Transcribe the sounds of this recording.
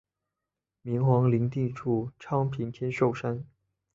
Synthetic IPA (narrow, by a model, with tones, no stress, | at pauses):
mi˧˥ŋxwɑ˧˥ŋli˧˥ŋt̪i˥˧ʈ͡ʂʰu˥˩ʈ͡ʂʰɑ˥ŋpʰi˧˥ŋt̪ʰjɛ˥nʂo˥˨˩ʊʂa˥n